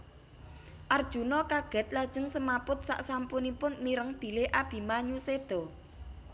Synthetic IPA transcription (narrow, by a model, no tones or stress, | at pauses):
ʔard̥ʒ̥ṳnɔkaɡ̥ɛ̤t̪̚lad̥ʒ̥ə̤ŋsəmapʊt̪̚sa̰ʔsampʊnipʊnːiɾəŋb̥i̤leʔab̥i̤maɲused̪̥ɔ̤